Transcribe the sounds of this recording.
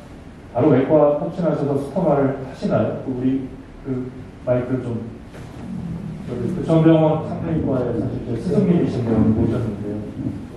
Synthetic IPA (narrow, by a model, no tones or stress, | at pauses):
paɾuwek͈watʰʌk̚t͡ɕ͈ʰinɦaɕʰʌsʰʌsʰu̥pʰʌmaɾɯɭtʰaɕʰinajot͈ouɾi | kɯ | maikʰɯt͡ɕom | t͡ɕʌɡikɯt͡ɕʰʌŋbjʌŋwat͡ɕʰaŋneŋɡwaesʰaɕʰiɭt͡ɕ͈esʰɯsʰɯŋɡimiɕʰinɡʌɯpoiɕʰʌnːɯnde̞jo